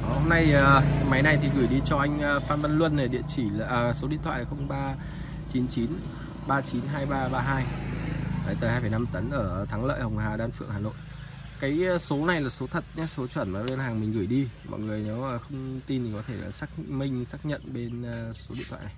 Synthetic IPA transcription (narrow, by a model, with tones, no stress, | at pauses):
ho˧mna˧jə˨˩ma˨˦jna˧jt̪ʰi˨˩ɣɨ˧˩jɗi˧t͡ɕɔ˧ʔa˧jŋ̟˧faː˧nɓə˧nlwə˧nːa˨˩ɗḭ˧˨ənt͡ɕi˧˩˨ʔːso˨˦ḭ˧˨nt̪ʰwa̰ː˧˨laː˨˩xə˧wŋ͡mɓaː˧ | t͡ɕi˨˦nt͡ɕi˨˦n | ɓaː˧t͡ɕi˨˦nɦaː˧jɓaː˧ɓaː˧ɦaː˧j | aː˨˩jt̪əː˨˩haː˧jfə˧˩jna˧mt̪ə˨˦nʔəː˧˩t̪ʰaː˨˦ŋlə̰ː˧˨jhə˨˩wŋ͡mhaː˨˩ɗaː˨˧nfɨ̰˧˨əŋhaː˨˩no̰˧˨j | kaː˨˦jso˨˦na˨˩jlaː˨˩so˨˦t̪ʰə˨˩t̚ɲa˨˦so˨˦t͡ɕwə˧˩nmaː˨˩lwe˧nhaː˨˩ŋmï˨˩ŋ̟ɣɨ˧˩əjɗi˧mɔ̰˧˨jŋɨ˨˩əjne˨˦wːxə˧wŋ͡mt̪i˧nt̪ʰi˨˩kɔ˨˦t̪ʰe˧˩a˨˩saː˦˥k̚mï˧ŋ̟saː˦˥k̚ɲə̰˧˨nɓe˧nː˨˩so˨˦ḭ˧˨t̪ʰwa̰ː˧˨na˨˩j